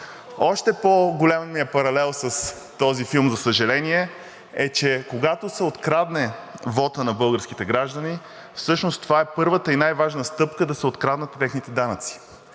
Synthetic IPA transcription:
ɔʃt̪ɛpoɡolʲamɛnmiɛpɐɾɐlɛlˠsəs | t̪ɔzifilˠmzɐsəʒɐlɛniɛ | ɛt͡ʃɛkoɡat̪osɛot̪kɾad̪nɛvɔt̪ənɐbɤlˠɡəɾsk̟it̪ɛɡɾaʒd̪əni | fsɤʃnost̪ovaɛpɤɾvət̪əinajvaʒnəst̪ɤpkəd̪ɐsɛot̪kɾad̪nət̪ːɛxnit̪ɛd̪anət̪si̥

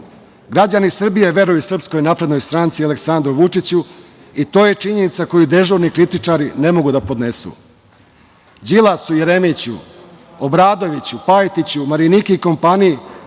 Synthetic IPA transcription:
ɡɾad͡ʑanisr̩bije̞ʋe̞ɾujusr̩psko̞jnaːpɾe̞d̪no̞jst̪ɾaːnt̪sialeksand̪ɾuʋut͡ʂit͡ɕu | it̪o̞ːje̞t͡ʂiɲe̞nit̪sako̞jud̪e̞ʒuʋnikɾit̪it͡ʂaɾine̞mo̞ɡud̪apo̞d̪ne̞sṵ | d͡ʑilˠasujeɾemit͡ɕṵ | obɾaːd̪o̞ʋit͡ɕupajt̪it͡ɕumaɾinikeiko̞mpaːniji

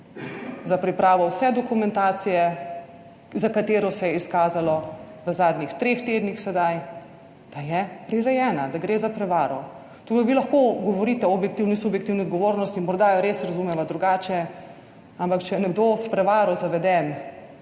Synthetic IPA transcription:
zapɾipɾaːʋɔwsɛd̪ɔkumɛ̃nt̪aːt̪sijɛ | zakat̪eːɾɔsɛjɛiskaːzalɔʋəzaːd̪nʲixt̪ɾeːxt̪eːd̪nixsɛd̪aj | d̪̥ajɛpɾiɾɛjɛːnad̪aɡɾeːzapɾɛʋaːɾɔ | t̪ukaʋilɐxkoɡɔʋɔɾit̪ɛɔbjɛkt̪iwnisubjɛkt̪iwniɔd̪ɡɔʋoːɾnɔst̪imɔɾd̪aɾesɾɐzumɛʋad̪ɾuɡaːt͡ʃɛ | ampakt͡ʃɛjɛnɛɡd̪ospɾɛʋaːɾɔzaʋɛd̪ɛn

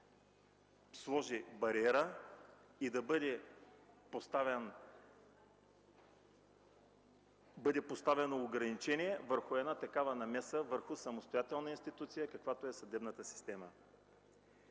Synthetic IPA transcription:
slˠɔʒibɐɾiɛɾə | id̪ɐbəd̪ɛ | post̪avɛn | bɤd̪ɛpost̪avɛnoːɡɾɐnit͡ʃɛniɛvəɾxʊɛd̪nat̪ɐkavənɐmɛsəvəɾxʊsɐmost̪ojat̪ɛlˠnəinst̪it̪ut̪sijəkɐkvat̪oɛsɐd̪ɛbnət̪əsi̥st̪ɛmə

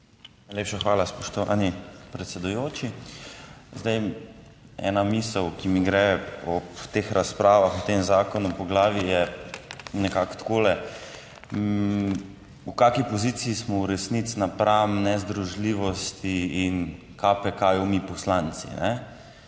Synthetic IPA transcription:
naɪjleːpʃaxʋaːlaspɔʃt̪ɔʋa̰nipɾɛt̪sɛd̪ujoːt͡ʃi | zd̪aj | ɛ̰namiːsəwkimiɡɾɛɔt̪exɾaspɾaːʋaxut̪emzaːkɔnupɔɡlaːʋijɛ | nɛkakt̪koːlɛ | ukakipɔziːt̪siːsmɔuɾɛsnit̪snapɾamnɛzd̪ɾuʒliːʋɔst̪iːn | kʰapɛkajɔmipɔslant̪sḭnɛ

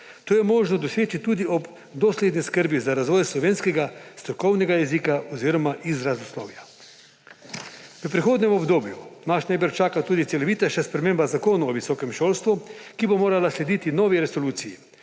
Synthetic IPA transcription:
t̪oːjɛmoːʒnɔd̪ɔseːt͡ʃit̪uːd̪iɔb | d̪ɔsleːd̪niskəɾbizaɾazʋɔːjslɔʋeːnskɛɡast̪ɾɔkɔwnɛɡajɛziːkaɔziːɾɔmaʔizɾazuslɔ̰wja | ʋəpɾixoːd̪nɛmɔbd̪oːbjunaʃnajbəɾt͡ʃaːkat̪uːd̪it̪sɛlɔʋiːt̪aʃɛspɾɛmeːmbazakoːnuɔʋisɔːkɛmʃoːlst̪ʋukibomoːɾalasled̪iːt̪inɔːʋiɾɛsoluːt̪siji

